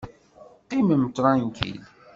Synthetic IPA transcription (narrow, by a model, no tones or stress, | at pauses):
qiməmt̪ːɾˤɑnkḭl